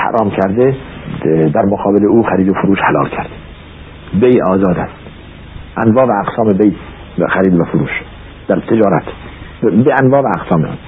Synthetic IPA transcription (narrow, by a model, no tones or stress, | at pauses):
hæ̰ɾʔɒːmkʰæɾd̪e | d̪æɾmoɡɒːbeleuːxæɾiːd̪ofoɾuːʃhælɒ̰ːlkʰæɾd̪̥e | bejɒːzɒːd̪æ̰st̪ | ʔænvɒːvæːqsɑːmebej | xæɾiːd̪væfoɾuːʃ | d̪̥æɾt̪ʰed͡ʒɒːɾæt̪ʰ | beænvɒːvææɡsɒːmḛ